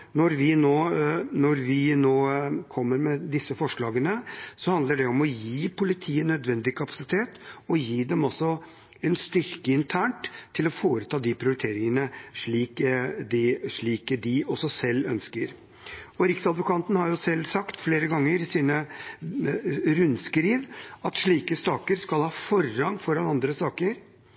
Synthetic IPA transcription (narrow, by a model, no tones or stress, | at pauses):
nɔɾʋɪnoːnɔɾʋɪnoːkʰɔmːəɾmɛd̪ɪsːəfɔʂɭɑːɡənəsɔhɑnd̪ləɖɛɔmɔjiːpʊlɪt̪ʰiːənœd̪ʋɛnd̪ɪkʰɑpɑ̥sɪt̪ʰeːt̪ɔjiːd̪ɛmɔsːɔ | ɛnst̪ʏɾkəɪnt̪ʰæːɳʈt̪ʰːɪlɔfoːɾət̪ʰɑːd̪ɪpʰɾɪʊɾɪt̪ʰeːɾɪŋənəʂɭiːkd̪ɪʂɭiːkəd̪ɪɔsːɔsɛlːœnskəɾ | ɔɾɪksɑd̪ʋʊkʰɑnt̪n̩hɑɾjʊsɛlsɑkt̪fleːɾəɡɑŋːəɾɪsiːnə | ɾʉnskɾiːʋɑt̪ʂɭiːkəst̪ɑːkəɾskɑlhɑːfɔrːɑŋːfɔɾɑnɑnd̪ɾəsɑːkəɾ